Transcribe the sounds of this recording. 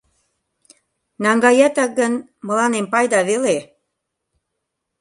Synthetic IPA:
nɑŋɡɑjɑt̪ɑk̚ɡən | mə̆lɑnempɑjd̪ɑβele

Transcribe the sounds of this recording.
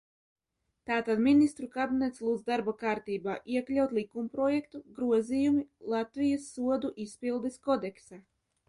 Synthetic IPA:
t̪aːt̪ad̪minist̪ɾukabinɛt̪slˠuːd̪zd̪aɾbakaːɾt̪iːbaːʔiɛklʲawt̪lˠikumpɾɔjɛkt̪uɡɾuɔzijumilˠat̪vijɐsːuɔd̪uʔispilˠd̪eskɔd̪ɛksa

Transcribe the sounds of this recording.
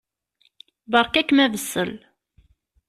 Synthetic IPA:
bəɾˤkækːmævəsːəl

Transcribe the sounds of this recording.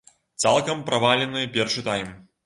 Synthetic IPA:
t̪salˠkɐmpɾavalʲɛnɨjɐpʲɛrʂɨt̪ajm

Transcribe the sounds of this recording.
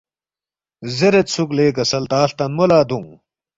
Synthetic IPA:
zeɾet̪sʰukleːkɐsɐlt̪aːɬt̪ɐnmolaːd̪ũŋ

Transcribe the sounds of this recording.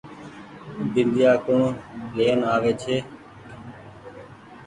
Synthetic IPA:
d̪ɪnd̪ɪjaːkõːɳleːənaːʋeːt͡ʃʰeː

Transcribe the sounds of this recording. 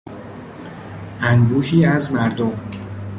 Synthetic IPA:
ʔænbuːhiːæzmæɾd̪om

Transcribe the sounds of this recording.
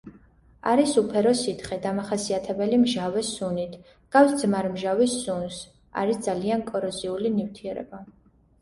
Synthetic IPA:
aɾisupʰɛɾɔsit̪ʰχɛd̪amaχasiat̪ʰɛbɛlimʒavɛsunit̪ʰ | ɡ̥afsd̪zmaɾmʒavisːuns | a̰ɾisd̪zaliankʼɔɾɔziulinift̪ʰiɛɾɛ̰ba

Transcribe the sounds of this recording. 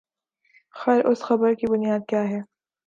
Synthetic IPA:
xɛːɾʔʊsxɐbəɾkibʊnijaːd̪̚kjaːɦɛː

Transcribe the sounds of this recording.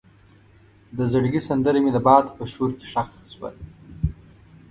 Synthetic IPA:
d̪əzaɽɡisand̪əɾemilabɑːd̪pəʃoɾke̥ʂaxswa̰l

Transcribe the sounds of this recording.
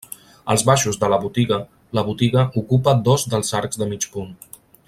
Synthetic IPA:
ə̰lˠzβaʃuzðələβut̪iɣə | ləβut̪iɣəʔukupəd̪ɔzðəlˠzaɾkzðəmit͡ʃpun

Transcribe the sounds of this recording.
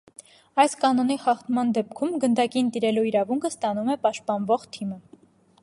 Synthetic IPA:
ɑjskɑnɔniχɑχt̪mɑnd̪ɛpkʰumɡənd̪ɑkint̪iɾɛluiɾɑvuŋkʰəst̪ɑnumɛpɑʃt̪̚pɑnvɔʁt̪ʰimə

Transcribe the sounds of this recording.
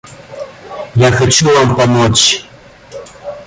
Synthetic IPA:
jaxat͡ɕuvampamot͡ɕ

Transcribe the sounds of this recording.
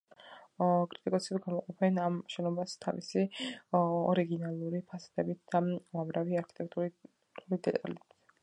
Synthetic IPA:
kʼɾit̪ʼikʼɔsɛbɡamɔqʼɔpʰɛnamʃɛnɔbast̪ʰa̰vḭsi | ɔɾiɡinalˠuɾipʰast̪ʰɛbit̪̚ʰd̪̥alˠamɾaviaɾkʰi̥t̪ʼɛk̚ʰt̪ʼu | ɾulid̪ɛt̪ʼa̰lɛi

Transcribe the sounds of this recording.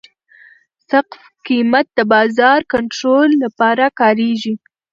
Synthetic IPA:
saqf | kimat̪̚d̪əbɑzɑɾkaɳʈɾolːapɑɾakɑɾeʒi

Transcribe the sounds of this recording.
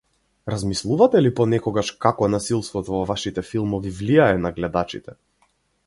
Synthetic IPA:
ɾazmislˠuvat̪ɛlipɔnɛkɔɡaʃkakɔnasilˠst̪vɔt̪ɔvɔvaʃit̪ɛfilˠmɔvivlijaɛnaɡlɛd̪at͡ʃḭt̪ɛ

